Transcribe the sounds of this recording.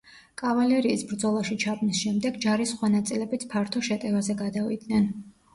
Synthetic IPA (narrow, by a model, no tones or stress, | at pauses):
kʼavalɛɾiːsbɾd̪zɔlˠaʃit͡ʃʰabnisʃɛmd̪ɛɡd͡ʒaɾisχwanat̪sʼilɛbit̪sʰpʰaɾt̪ʰɔʃɛt̪ʼɛvazɛɡad̪avḭd̪nɛn